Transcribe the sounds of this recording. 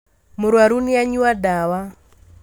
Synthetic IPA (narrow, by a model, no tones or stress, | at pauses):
muɾwaɾuniaɲuwadawa